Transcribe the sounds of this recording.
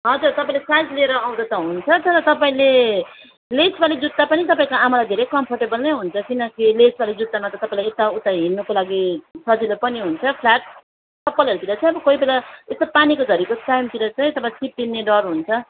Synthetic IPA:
ɦʌd͡zurt̪ʌpaĩlesajd͡zlieɾʌaw̃d̪ʌt̪ʌɦunt͡sʰʌt͡sʌɾʌt̪ʌpaĩle | lesbalid͡zut̪ːapʌnit̪ʌpaĩkaamalajd̪ʱeɾejkʌmpʰʌrʈebʌlnʌjɦunt͡sʰʌkinʌkilesbalid͡zut̪ːamʌt̪ʌt̪ʌpãĩlajet̪aut̪aɦinːʌkolaɡisʌd͡zilopʌniɦunt͡sʰʌpʰlaʈ̚ | sʌpːʌlɦʌɾut̪iɾʌt͡sʰʌ̃j̃ʌbʌkʌibelaest̪apanikod͡zʱʌɾikot͡sajmt̪iɾʌt͡sʰʌj̃t̪ʌpaĩt͡sʰip̚d̪inːeɖʌrɦunt͡sʰʌ

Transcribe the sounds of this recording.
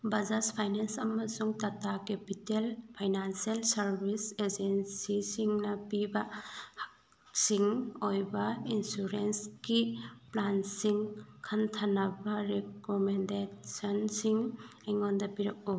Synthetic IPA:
bɐzaspʰajnensɐmɐsuŋtatakepitelpʰajnanselsɐɾbʱised͡ʒensisiŋnɐpibɐhak | siŋojbɐinsuɾenskiplansiŋkʰantʰanɐbɐɾekomendesɐnsiŋeŋondɐpiɾɐk̚o

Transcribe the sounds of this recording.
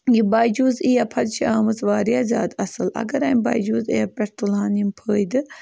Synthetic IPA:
jibaːjd͡ʒuːzijɐpʰɐd̪t͡ʃiaːmɨzʋaːɾijaːzʲa̰ːd̪ɐsɨlɐ̰ɡɐɾɐːmba̰ːjd͡ʒuːzijɐpɐʈt̪ulaːnimpʰəːjd̪ɨ

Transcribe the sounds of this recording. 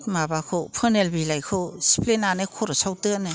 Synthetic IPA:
tmabakʰopʰɯnelbilajkʰɯsi̥plenanɯkʰɔɾɔsawtɯnɯ

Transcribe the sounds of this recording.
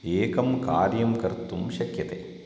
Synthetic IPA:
eːkɐmkaːɾjɐmkɐɾt̪ːumɕɐkjɐt̪ḛ

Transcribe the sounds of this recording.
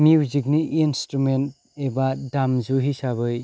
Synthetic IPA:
miwzik̚niʔinstɾument̚ | ebadamzuɦisaβɯj

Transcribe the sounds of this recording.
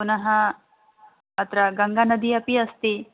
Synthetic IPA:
punaɦa | t̪ɾaɡɐŋɡanəd̪iɐpiəst̪i

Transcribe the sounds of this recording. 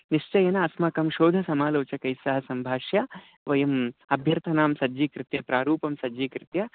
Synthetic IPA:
niʂt͡ʃɐjɐnɐɐsmɐkɐmʃoːd̪ʱɐsɐmaːloːt͡ʃɐkɐjsɐɦɐsɐmbʱaːʃjɐ | ʋɐjɐmɐbʱjɐɾt̪ʰɐnaːmsɐd͡ʒiːkɾɪt̪jɐpɾaːɾuːpɐmsɐd͡ʒikɾɪt̪jɐ

